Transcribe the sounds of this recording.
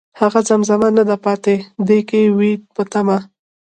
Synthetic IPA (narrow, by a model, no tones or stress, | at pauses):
haɣazamzamanad̪apɑt̪ed̪ekewit̪̚pət̪ama